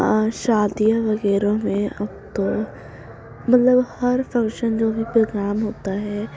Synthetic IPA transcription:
ʃaːd̪ijaʋɐɣɛːɾõmẽɐb̚t̪o | mɐt̪ləbhɐɾfɐ̃ŋkʃənd͡ʒoːbʱipɾoːɡɾaːmɦoːt̪aɦɛː

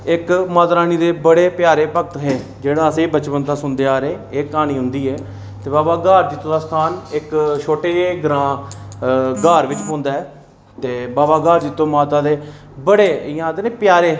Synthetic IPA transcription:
ɪkmaːt̪ɾaːniːd̪eːbəɽeːpjaːɾeːpəkt̪ɦeː | d͡ʒeːɽaːəsẽːbət͡ʃpənd̪aːsʊnd̪eːaːɾeːeːkaːniːɦʊ̃nd̪iːɛː | t̪eːbaːbaːɡaːɾd͡ʒɪt̪ːõːd̪aːst̪ʰaːnɪkʃʰoːʈeːɡɾãː | ɡaːɾʋɪt͡ʃpõːnd̪aːɛː | t̪eːbaːbaːɡaːɾd͡ʒɪt̪ːõːmaːt̪aːd̪eː | bəɽeːɪjãːd̪eneːpjaːɾeː

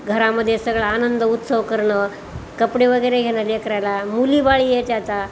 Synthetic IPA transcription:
ɡʱəɾaməd̪ʱːjesəɡɭaːnənd̪əut̪səʋkəɾɳə | kəpɽeʋəɡəjɾeɡʱeɽ̃alekɾajlamuliːbaɭiːjet͡ɕat̪a

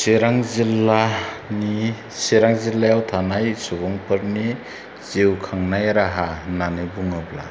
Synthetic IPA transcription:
siɾaŋzilːa | ni | seɾaŋzilajawt̪ʰanajsubɔŋpʰɯɾni | z̥ewkʰaŋnajɾaɦananibuŋɯbla̰

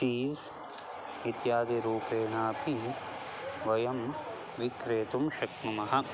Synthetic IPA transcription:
iːz | it̪jaːd̪iɾuːpeːnaːpi | ʋɐjɐm | ʋikɾeːt̪umʃɐknumɐɦɐ̆

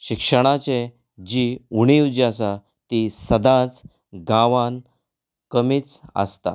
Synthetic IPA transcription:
ɕikʂəɽ̃at͡ɕe | d͡ʑiuɽ̃iʋd͡ʑiasa | t̪isəd̪ãt͡s | ɡãʋãn | kəmiːt͡sə̰st̪a̰

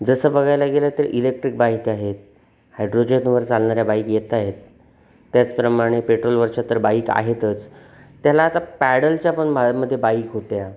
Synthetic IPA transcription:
d͡zəsəːbəɡʱajlaɡelat̪əɾʔilek̚ʈɾik̚baikaɦet̪ | hajɖɾod͡ʑenʋəɾd͡zalɳaɾjabaikjet̪aɦet̪ː | jat͡spɾəmaɽ̃epeʈɾolʋəɾt͡ɕat̪əɾbaika̰ɦet̪ət͡st̪ːjalaːt̪apæɽəlt͡ɕjapəɳmaməd̪ʱːjebaikɦot̪ja

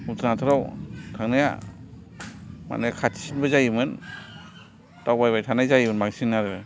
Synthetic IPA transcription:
ut̪ʰanatʰɯɾawtʰaŋnaja̰ | ma̰najkʰatʰi̥sinbɯzajimɯn | tawbajbajtʰanajzajimɯnmaŋsinːaɾɯ

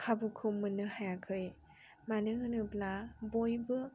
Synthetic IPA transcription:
kʰabukʰɯmɯnɯhajakʰɯj | manɯŋɯnɯblabojbɯ

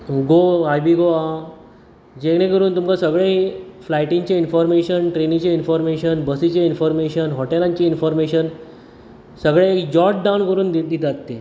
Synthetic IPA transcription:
ɡoajbiɡoa | d͡ʑekɽẽkəɾuːnt̪umkasəɡɭeflajʈĩŋt͡ɕainfɔɾmeɕənʈɾenit͡ɕainfɔɾmeɕənbəsit͡ɕainfɔɾmeɕənɦɔʈelãɲt͡ɕeinfɔɾmeɕən | səɡɭeːkd͡ʑɔʈ̚ɖawnkəɾuːnd̪d̪it̪at̪ːe

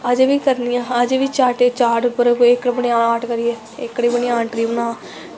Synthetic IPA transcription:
əd͡ʒʋiːkəɾnɪjãːəd͡ʒʋiːt͡ʃaːʈeːt͡ʃaːʈʊpəɾɪkɽbəɽiãːnaːʈkəɾijeː | ɪkːɽiːbəɳiaːɳʈɾiːbənãː

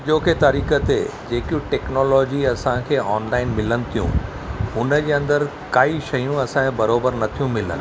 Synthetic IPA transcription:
d͡ʑoːkʰet̪ɐɾiːkət̪ḛd͡ʑeːkjũʈɛːknoːlɔːd͡ʑiɐsãkʰeːɔːnlaːɪnmɪlənɪ̆t̪ʰijṵ̃ | ɦʊnə̆d͡ʑeːɐ̃nd̪əɾ | kaːiʃɐjũɐsãkʰebɐɾoːbəɾnɐt̪ʰijũmɪlə̰n

